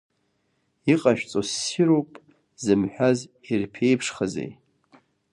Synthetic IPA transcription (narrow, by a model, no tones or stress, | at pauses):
iqʼaʃᶣt͡sʼosiɾopʼ | zɨmħʷᶣazirpʰe̞jpʰʂχazḛj